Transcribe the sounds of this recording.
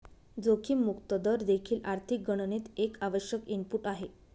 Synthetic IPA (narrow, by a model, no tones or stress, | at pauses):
d͡zokʰiːmukt̪əd̪əɾd̪ekʰiːlʔaɾt̪ʰik̚ɡəɽ̃ənit̪ekaʋəɕjəkimpuʈaɦe